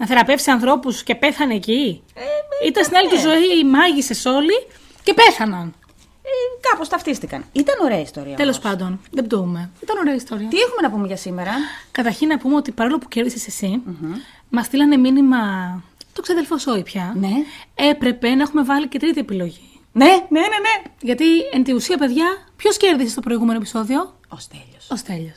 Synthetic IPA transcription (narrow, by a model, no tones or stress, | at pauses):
nɐθe̞ɾɐpe̞fsiɐnθɾo̞pusce̞pe̞θɐneːci | it̪ɐnst̪inɐlit̪izo̞imɐʝise̞so̞li | ce̞pe̞θɐnɐn | ekɐpo̞st̪ɐft̪ist̪ikɐ̰nit̪ɐno̞ɾe̞ɐist̪o̞ɾḭɐt̪e̞lo̞spɐnd̪o̞nðed̪ome̞it̪ɐno̞ɾeɐist̪o̞ɾiɐt̪iexume̞nɐpumeʝɐsimeɾɐkɐt̪ɐɾçinːɐpumeot̪ipɐɾolo̞pu̥ce̞ɾðisesesi | mɐst̪ilɐne̞minimɐt̪o̞kseɐðelfoso̞ipçɐnee̞pɾe̞penɐe̞xume̞vɐlice̞t̪ɾit̪ie̞pilo̞ʝi | nenenene̞ʝɐt̪ient̪iusiɐpe̞ðʝɐpço̞sce̞ɾðisest̪o̞pɾo̞iɣumenoepiso̞ðio̞ | ost̪eʎosost̪e̞ʎos